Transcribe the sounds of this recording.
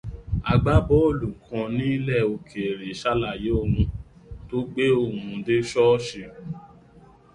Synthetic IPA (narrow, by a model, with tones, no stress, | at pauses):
a˧ɡ͡ba˦bɔ˨˦o˦˨lu˨kʰã˧nĩ˦i˦lɛ˦˨o˧kʰe˨ɾe˨ʃa˦la˨je˨˦o˦˨ɾũ˧to˦ɡ͡be˦o˦˧˨hũ˧de˦ʃɔ˦ʃe˧˨